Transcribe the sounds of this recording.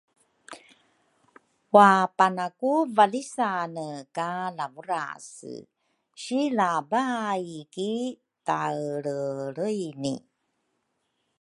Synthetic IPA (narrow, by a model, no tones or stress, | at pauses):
wapanakuvalisanəkalavuɾa̰sə̰ | ɕilabajki | taɭəɾəjnḭ